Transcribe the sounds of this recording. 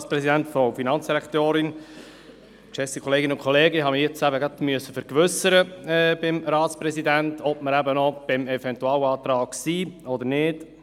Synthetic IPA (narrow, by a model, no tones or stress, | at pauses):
spɾɛsidæntfofinɑnt͡ssd̥iɾɛkt̪øːɾɪn | kʃɛsikʰɔleːɡɪnʊnkʰɔleːɡəɦɑməjɛt͡sæbəɡɾɑd̪myəsəfəɾkʋʏsəɾəɛːbɪmɾɑːt̪spɾɛsidæntʰɔb̥̚məɾæbənɔb̥ɪmɛvɛntuɑːlɑːt̪ɾɑːksiːɔd̪əɾnɪt